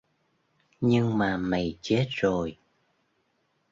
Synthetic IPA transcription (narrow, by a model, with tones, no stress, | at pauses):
ɲɨ˧ŋmaː˨˩mə˨˩jt͡ɕe˦˥t̚zo˨˩j